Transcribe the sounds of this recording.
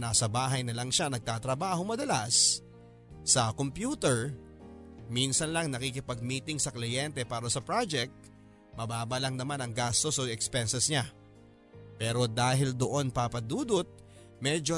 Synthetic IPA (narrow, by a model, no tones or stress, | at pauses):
naːsɐbaːɦɐjnɐlɐŋʃanɐɡ̚t̪aːt̪ɾɐbaːho̞mɐd̪ɐlasː | ɐkompjuːt̪ɛɹ | minsɐnlɐŋnɐkikɪpɐɡ̚miːt̪ɪŋsɐklɪjɛnt̪ɛpaːɾɐsɐpɹad͡ʒɛk̚t̪̚ | mɐbaːbɐlɐŋnɐmanɐŋɡast̪o̞soɛkspɛnsɛsɲa | pɛːɾo̞d̪aːɦɪld̪oʔo̞npapɐd̪uːd̪ot̪̚ | mɛd͡ʒo